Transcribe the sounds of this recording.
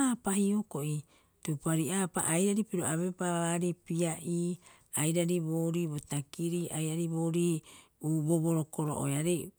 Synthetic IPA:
aːpahioko̞ʔi | tupaɾiaːpa̰ʔajɾaɾipiɾo̞aβepaβaɾipiaʔiː | ajɾaɾibo̞ɾiːbotakiɾiajɾaɾiboːɾiː | uboβoɾo̞ko̞ɾo̰ʔo̰jaɾe

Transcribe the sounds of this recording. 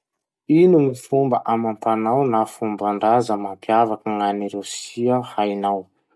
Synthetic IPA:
inumifumbəʔamampanawnafumbaɳɖ͡ʐazəmampjavakəŋaniɾewsiəhajnaw

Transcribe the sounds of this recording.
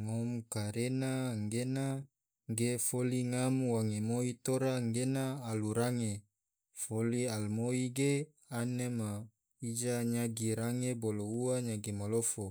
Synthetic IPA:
ŋomkaɾenaŋɡena | ɡefoliŋamwaŋemoit̪oɾaŋɡenaːluɾaŋe | folialmoiɡe | anema | id͡ʒaɲaɡiɾaŋebolouaɲaɡimalofo

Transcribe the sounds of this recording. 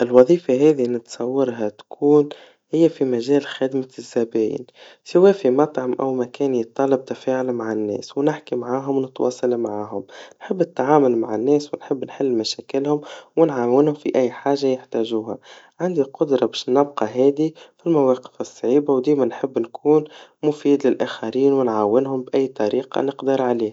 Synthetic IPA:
ʔɪlwɑðˤiːfaɦɛːðinɪt̪sˤɑwːɑɾˤɦat̪kʰuːn | hɪjːæfimæʒæːlxɪd̪mazːæbæːjɪ̰nsawɛːfimɑt̪ˤʕɑmʔæ̰wmækæːnjət̪ˤːɑːlɑb̚t̪afaːʕʊlmaʕanːɛ̰ːswnɪħkimaʕaːɦʊmwnɪt̪wʔɑ̰ːsˤɑlmʕaːɦʊmnħɪbːnɪt̪ːʕaːmʊlmaʕanːɛːswɪnħɪbːnħɪlːmæʃæːkɪlhʊmwɪnʕaːwɪnhʊmfiʔæjːħaːʒːajɪħt̪æːʒuːhæ | ʕand̪iqʊd̪ɾˤɑbɛːʃnɪbqɑɦɛːd̪ifilmæwɑːqɪ̥fɨsˤːʕiːbawd̪iːmænħɪbːnkʰuːnmʊfiːd̪lɪlʔæːxaɾiːnwɪnʕaːwːɪnɦʊmbʔæjːt̪ˤɑɾiːqɑ̰nɪqd̪əɾʕaliːh

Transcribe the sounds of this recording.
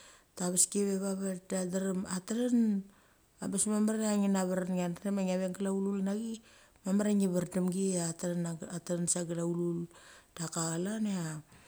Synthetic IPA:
taβeskeβeβaβaɾdadaɾamataɾan | abesmamaɾeaŋinaβaɾanŋanɾemaŋaβeŋɡalaululnaɡi | mamaɾaŋiβaɾdamɡiatɾanatɾansaɡalaululd̥akaɣalanea

